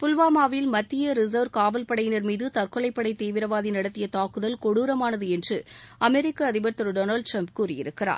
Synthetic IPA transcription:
pʊlʋaːmaːʋɐjɪlmɐt̪ːɪjɐɾɪzɐʋɾkaːʋɐlpɐɽɐjɪnɐɾmiːðɯt̪ɐrkɔɭɐɪpːɐɽɐɪt̪eːʋɪɾɐʋaːðinɐɽɐt̪ːɪjɐt̪aːkɯðɐlkɔɽuːɾɐmaːnɐðɯɛndrɯɐmɛɾɪkːɐːðɪbɐɾt̪ɐɾɖoːnɐɭɖʈɾɐmp̚kuːrɪjɪ̰ɾɯkːɪra̰ː

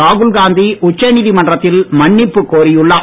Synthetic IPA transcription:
aːɣɯlɡaːnd̪iʔʊt͡ʃːɐniːðimɐɳdrɐt̪ːɪlmɐɳːɪpːɯkːoːɾɪjʊɭːɐ

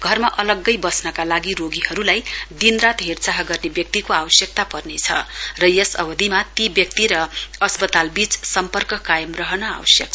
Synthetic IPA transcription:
ɡʱʌrmaʔʌlʌɡːʌjbʌsnʌkalaɡiɾoɡihʌɾulajd̪inrat̪ɦert͡saɦʌɡʌrnebjʌk̚t̪ikoawʌsjʌk̚t̪apʌrnet͡sʰʌ̰rʌjʌsʌ̰bʌd̪ʱimat̪ibjʌkt̪iɾʌʌspʌt̪albit͡ssʌmpʌrkʌkajʌmrʌɦʌnʌa̰wʌsjʌk̚

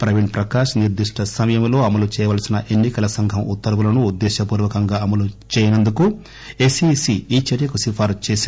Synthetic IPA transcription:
pɾɐʋiɳʈpɾɐkaːʂɐniɾd̪iʂʈʰɐsɐmɐjɐmlo̞ːɐmɐlut͡ʃɛːjɐʋaːlɐsinɐʔe̞nːikɐlɐsɐŋɡʱɐmut̪ːɐɾɐʋulɐnuːd̪ːɛːʃɐpuːɾʋɐkɐŋɡaːɐmɐlut͡ʃɛːjɐnɐnd̪uku | esisiiːt͡ʃɐɾjɐkusipʰaːɾt͡ʃeːsi

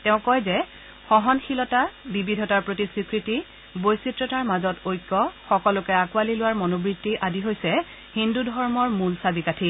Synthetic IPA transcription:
tɛʊ̃kɔjzɛ | xɔɦɔnxilɔtabibidʱɔtaɹpɹotisɹikɹiti | bojsitɹɔtaɹmazɔtojkːɔxɔkɔlʊkɛakualilʊwaɹmɔnobɹitːiʔadiɦojsɛ | hindudʱɔɹmɔɹmulsabikatʰi

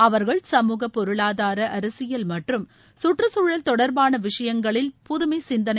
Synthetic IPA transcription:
ɐʋɐɾɣɐɭsɐmuːɣɐpːɔɾɯɭaːðaːɾɐʔɐɾɐsɪjɐlmɐʈrɯm | sʊʈrɯsuːɻɐlt̪ɔɽɐɾbaːnɐʋɪʂɐjɐŋɡɐɭɪlpʊðʊmɐɪsɪnd̪ɐnɐ

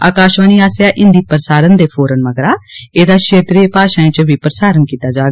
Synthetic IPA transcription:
a̰ːkaːʃʋaːniːaːsjaːʔɪnd̪iːpəɾəsaːɾənd̪eːpʰoːɾənʋəɡɾaːeːd̪aːkʃʰeːt̪ɾiepaːʃaːĩːt͡ʃbiːpɾəsaːɾənkiːt̪aːd͡ʒaːɡ

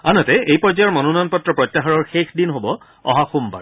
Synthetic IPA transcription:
anɔtɛejpɔzajɔɹmɔnunɔnpɔtːɹɔpɹɔtːaɦaɹɔɹxexdinɦobɔ | ɔ̰ɦaxumba̰ɹ

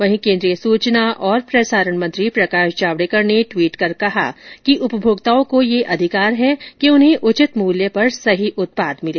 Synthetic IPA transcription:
ʋɐɦĩkẽːnd̪ɾijəsuːt͡ʃnaʔɔːɾpɾɐsaːɾəɳ̃mɐ̃nt̪ɾipɾɐkaːʃd͡ʒaːʋɽekɐɾneʈʋiːʈkɐɾkɐɦa̰kiʔʊpəbʱoːɡt̪aːõkojeʔɐd̪ʱɪkaːɾɦɛkiʊnɦẽʔʊt͡ʃɪt̪muːljəpɐɾsɐɦiʔʊt̪̚paːd̪mɪleː

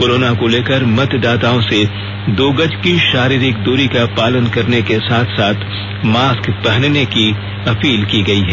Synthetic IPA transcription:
koɾoːnakoleːkəɾmɐt̪d̪aːt̪aːõse | d̪oːɡəd͡ʒkiʃaːɾiːɾɪkd̪uːɾikapaːlənkɐɾnekesaːt̪ʰsaːt̪ʰ | maːskpɐɦənneki | ɐpiːlkiɡɐiɦɛː

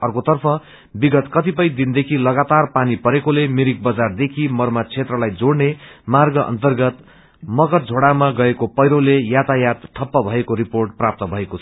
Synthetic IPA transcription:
ʌrkot̪ʌrpʰʌ | biɡʌt̪kʌt̪ipʌjd̪ind̪ekʰilʌɡat̪arpanipʌɾekolemiɾik̚bʌd͡zard̪ekʰimʌrmat͡sʰet̪rʌlajd͡zoɽnemarɡʌʔʌ̰nt̪ʌrɡʌt̪ | mʌkʌt̪d͡zʱoɽamaɡʌekopʌjɾolejat̪ajat̪ʈ̪ʰʌpːʌbʱʌekoɾiporʈprap̚t̪ʌbʱʌekot͡sʰʌ

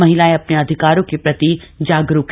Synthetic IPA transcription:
mɐɦɪlaːeɐpneɐd̪ʱɪkaːɾõkepɾɐt̪id͡ʒaːɡɾuk

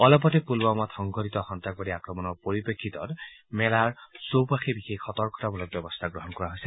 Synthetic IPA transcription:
ɔlɔp̬ɔtepulbamɔt̪xɔŋɡʱɔtit̪ɔxɔntak̚bɔdiakɹɔmɔnɔɹpoɹipekʰːit̪ɔtmɛlaɹsopaxebixekːɔt̪ɔɹkɔ̥tabɔlɔk̚bɔbɔst̪ʰaɡɹɔɦɔnkɔɹaɦojsɛ

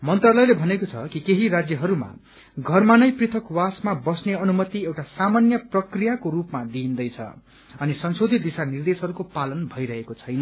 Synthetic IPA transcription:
mʌnt̪rʌlʌjlebʱʌnekot͡sʰʌ̰kikeɦiɾad͡zjʌɦʌɾuma̰ | ɡʱʌrmanʌjprit̪ʰʌkwasmabʌsneʌnumʌt̪iewʈasamanjʌprʌkrijakoɾupmad̪ind̪ʌjt͡sʰʌ̰ | ʌnisʌnsod̪ʱit̪̚d̪isanird̪esɦʌɾukopalʌnbʱʌjɾʌɦekot͡sʰʌjnʌ

